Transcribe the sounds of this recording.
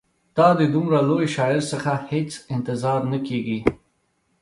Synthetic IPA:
d̪̥ɑd̪əd̪umɾalojʃɑɪɾsəxahet͡sɪnt̪ɪzɑɾnakeɡi

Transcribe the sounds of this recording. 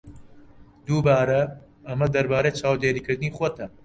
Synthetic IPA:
d̪uːbaːɾɐ | ɐmɐd̪ɐɾbaːɾeːt͡ʃʰaːwd̪eːɾiːkɨɾd̪ɨniːxot̪ʰɐ

